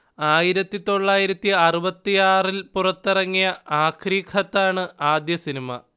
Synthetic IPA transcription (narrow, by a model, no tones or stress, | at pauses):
aːjiɾɐt̪ːit̪o̞ɭːaːjiɾɐt̪ːiɐrubɐt̪ːijaːrilpurɐt̪ːirɐŋːijɐaːkʰriːkʰɐt̪ːaːɳɨaːd̪jɐsinimɐ